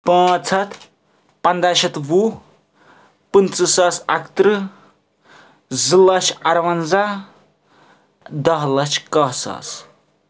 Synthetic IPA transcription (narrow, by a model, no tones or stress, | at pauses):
pãːt͡sʰɐt̪ | pɐnd̪aʃɐt̪ʋu | pɨnt͡sɨsɐːsɐ̰kt̪ɾɨ | zɨlɐʃʰɐɾʋɐnza | d̪ɐɦlɐt͡ʃʰkɐɦsɐ̰ːs